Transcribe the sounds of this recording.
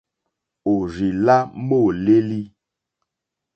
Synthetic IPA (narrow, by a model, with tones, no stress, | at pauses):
o˨ɾi˨la˦mo˦˨le˦li˦